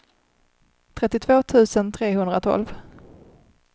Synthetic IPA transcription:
t̪ʰɾɛt̪ːɪt̪ʰvoːt̪ʰʉ̟ːsənt̪ʰɾeːhɵnd̪ɾat̪ʰɔ̰lv

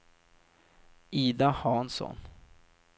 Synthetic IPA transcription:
iːd̪ahɑːnsɔ̰n

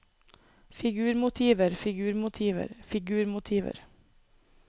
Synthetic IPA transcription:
fɪɡʉːɾmʊt̪ʰiːʋəɾfɪɡʉːɾmʊt̪ʰiːʋə̰ɾfɪɡʉːɾmʊt̪ʰiːʋə̰ɾ

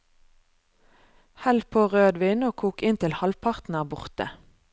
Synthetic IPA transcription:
hɛlpʰoːʁøːd̪ʋiːnoːkʰuːkɪnt̪ʰɪlhɑlpʰɑʁt̪n̩ɑːbʊʁt̪ə̰

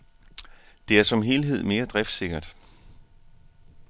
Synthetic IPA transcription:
d̥e̝æɐsɒ̽mɦe̝ːlɦe̝ð̞̰ˠme̝ːɐd̥ʁɛfd̥se̝ɡ̥ɐd̥

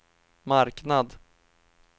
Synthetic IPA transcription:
maɾknad̪

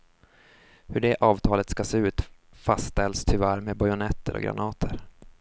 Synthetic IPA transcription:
hɵɖɛʔɑːvt̪ʰɑːlət̪skaseːʉ̟ːt̪ | fast̪ɛlst̪ʰɵvæɾmebajʊnɛt̪ʰːəɾʔɔ̰ɡɾa̰nɑːt̪ʰəɾ

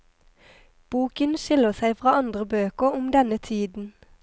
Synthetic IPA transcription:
b̥uːkənʃɪləʁsæɪfʁɑːɑnd̪ʁəbøːkəʁʊmd̪ɛnət̪ʰiːd̪n̩

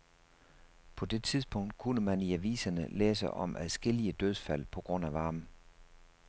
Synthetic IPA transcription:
pʰɒ̽d̥e̝t͡sʰiðˠsb̥ɔ̽ŋ̰d̥̚kʰunəmæniæʋḭːsɐnəleːsəʔɒ̽mʔæðˠsɡ̥e̝l̰iəd̥øð̞ˠfæl̰pʰɒ̽ɡ̥ʁɔ̽n̰æʋɑ̈ːmn̩

